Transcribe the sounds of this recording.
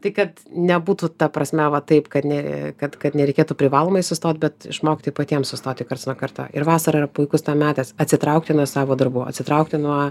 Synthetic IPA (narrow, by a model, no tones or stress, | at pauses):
t̪ɐɪkɐt̪nʲɛbuːt̪ut̪ɐpɾɐsʲmʲɛʋɐt̪ɐɪpkɐt̪nʲɛkɐt̪kɐt̪nʲɛɾʲɛɪkʲeːt̪uːpʲɾʲɪʋɑːlˠoːmɐɪsʊst̪oːt̪̚ʲbʲɛt̪ɪ̰ʃmoːkʲɪt̪ojpɐt̪ʲiɛmsʊst̪oːt̪ʲɪkɐɾrt̪snuɔkɐrt̪o̰ːɪɾʋɑːsɐɾɐiɾɐpʊɪkʊst̪ɑːmʲæːt̪ʲɛːsɐt̪ʲsʲɪt̪ɾɐʊk̚t̪ʲɪnuɔsɑːʋoːd̪ɐɾbuːɐ̰t̪ʲsʲɪt̪ɾɐʊk̚t̪ʲɪnuɔ